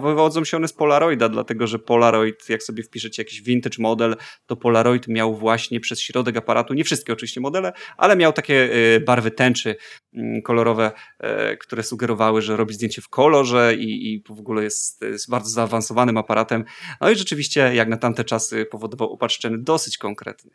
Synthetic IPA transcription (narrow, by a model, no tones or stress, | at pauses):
vvɔd̪zɔ̃w̃ɕɛɔnɛspɔlaɾɔjd̪ad̪la̰t̪ɛɡɔʐɛpɔlaɾɔjt̪jaksɔbʲjɛfpʲiʂɛt͡ɕɛjakʲiʑvʲint̪ɘt͡ʂmɔd̪ɛlt̪ɔpɔlaɾɔjt̪mʲjawvwaɕɲɛpʂɛsɕɾɔd̪ɛkapaɾat̪uɲɛfʂɘst̪kʲɛɔt͡ʂɨvʲiɕt͡ɕɛmɔd̪ɛlɛʔa̰lɛmʲjawt̪akʲɛbaɾvɘt̪ɛnt͡ʂɘ | kɔlɔɾɔvɛ̰kt̪uɾɛsuɡɛɾɔvawɘʐɛɾɔbʲizd̪ʲjeɲt͡ɕɛfkʰɔlɔʐɛivɔɡulɛjɛst̪baɾd̪ɔzaːvansɔvanɘmapaɾʔat̪ɛmnɔiʐɛt͡ʂɘvʲiɕt͡ɕɛjaknat̪amt̪ɛt͡ʂasɨpɔvɔd̪ɔvawɔpatʂt͡ʂɛɲɛd̪ɔsɘ̥t͡ɕkɔŋkɾɛ̰t̪ɲɛ